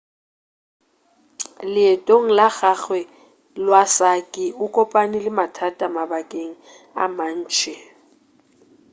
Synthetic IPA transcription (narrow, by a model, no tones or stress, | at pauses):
lɪɛtʼoŋ̩laɣaɣwɛ | lwasakʼɪʊkʼɔpʼanɪlɪmatʰatʼamabakʼeŋ̩ | a̰man̩ːt͡ʃʰʼɛ